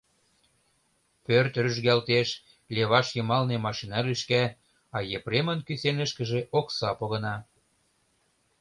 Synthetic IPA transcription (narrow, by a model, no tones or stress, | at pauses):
pørt̪ryʒɣælt̪eʃ | leβɑʃjɤ̆mɑlnemɑʃinɑɾyʃkæ | ɑjepɾemə̆nkysenə̆ʃkə̆ʒĕʔoksɑpoɣɤ̆nɑ